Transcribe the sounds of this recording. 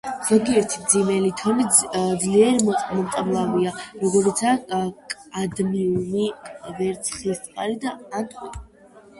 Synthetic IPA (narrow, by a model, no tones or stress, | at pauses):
z̥ɔɡiɛɾt̪ʰimd̪zimɛlit̪ʰɔnid̪zliɛɾimɔmt̪ʼablˠaviaɾɔɡɔɾit̪sʰakʼad̪miunivɛɾt̪sʰχlist̪sʼqʼaɾid̪aːnt̪ʼi